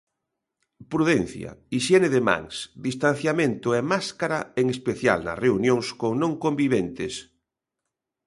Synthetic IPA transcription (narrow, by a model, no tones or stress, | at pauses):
pɾuðen̟θja̰iʃɛneðema̰ŋsd̪ist̪an̟θjamẽnt̪ʊɛmaskaɾa̰eŋespeθja̰lna̰reunjõŋskoŋnõŋkombiβ̞ent̪es